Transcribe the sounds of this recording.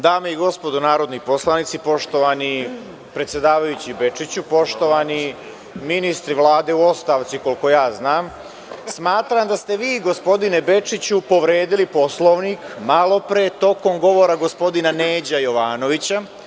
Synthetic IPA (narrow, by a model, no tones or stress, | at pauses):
d̪aːmaiɡo̞spo̞d̪unaːɾo̞d̪nipo̞slˠanit̪sipo̞ʃt̪o̞ʋani | pɾet̪sje̞d̪aːʋajut͡ɕibe̞t͡ʂit͡ɕupo̞ʃt̪o̞ʋani | minist̪ɾiʋlˠaːd̪e̞uo̞st̪aʋt̪siko̞liko̞jaːznaːm | smaːt̪ɾamd̪ast̪e̞ʋiːɡo̞spo̞d̪ine̞be̞t͡ʂit͡ɕupo̞ʋɾe̞ːd̪ilipo̞slˠo̞ʋnikmalˠo̞pɾet̪o̞ko̞mɡo̞ʋo̞ɾaɡospo̞d̪inaneːd͡ʑajo̞ʋaːno̞ʋit͡ɕa